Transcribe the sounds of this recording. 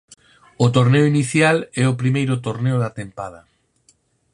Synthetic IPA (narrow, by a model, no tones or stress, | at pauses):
ʊt̪oɾneʊiniθjalɛʊpɾimejɾʊt̪oɾneʊðat̪empaðɐ